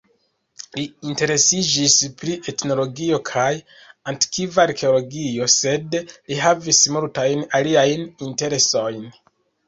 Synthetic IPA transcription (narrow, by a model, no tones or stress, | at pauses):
liːnte̞ɾe̞sid͡ʒispɾiʔe̞tno̞lo̞ɡio̞kʰaj | antkʰivaaɾke̞olo̞ɡio̞se̞dliɦavismultajnaliajninte̞ɾe̞so̞jn